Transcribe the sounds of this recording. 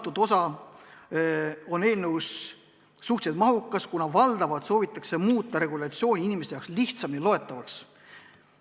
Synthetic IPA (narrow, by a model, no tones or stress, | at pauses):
t̪ːud̪̥o̞sɑ | o̞ne̞ːlneusː | uht̪sed̪mɑɦukːˑɑskunɑvɑld̪̥ɑvɑt̪so̞ːvit̪ːˑɑ̥kse̞muːt̪ˑːɑɾe̞ɡulɑt̪sio̞ːnʲiinʲimest̪ejɑ̰ksliht̪sɑmjɑlo̞e̞t̪ːˑɑvɑks